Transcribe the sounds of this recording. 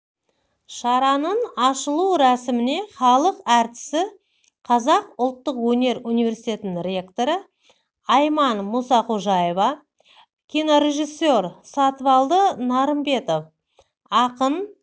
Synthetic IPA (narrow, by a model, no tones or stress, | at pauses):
ʃɑɾɑnəɴɑʃəlˠuɾæsɪmɪne̞χɑlˠəqæɾt̪ɪ̥sɪ | qʰɑzɑqʊlˠt̪ːəqwɵne̞ɾunivʲe̞ɾsijt̪ʲe̞t̪ɪnɪŋrʲe̞kt̪o̞ɾə | ɑjmɑnmusɑquʒɑjevɑ | kʲʰino̞ɾe̞ʒisːorsɑt̪vɑlˠd̪ənɑɾəmbe̞t̪o̞f | ɑqən